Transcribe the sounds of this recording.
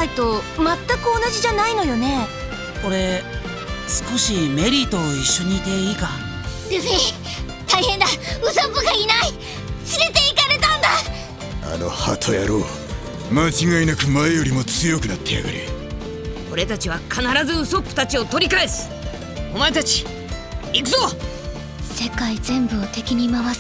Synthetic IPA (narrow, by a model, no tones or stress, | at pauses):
it̪o̞ | mat̪ːakɯ̟o̞naʑiʑanaino̞jo̞ne̞ | o̞ɾe̞ | sɨ̥ko̞ɕime̞ɾʲit̪o̞ːiɕːo̞ɲ̟iːt̪e̞iːka | d̪̥esei | t̪aihẽ̞nd̪aɯ̟sopːɯɡainai | sɨɾe̞t̪e̞ikaɾe̞t̪ãnd̪a | a̰no̞̰ha̰t̪ʰojaɾoː | mat͡ɕiɡainakɯ̟maejo̞ɾʲimo̞t͡sɨjo̞kɯ̟nat̪ːeja̰ɡɯ̰ɾḭ | o̞ɾe̞t̪at͡ɕiβ̞akʰanaɾazɨɯso̞pːɯ̟̥t̪at͡ɕio̞t̪o̞ɾʲikae̞sɨ̥ | o̞maet̪at͡ɕi̥ | ikɯ̟zo | se̞kaizẽ̞mbɯ̟ot̪e̞kʲiɲ̟imaβa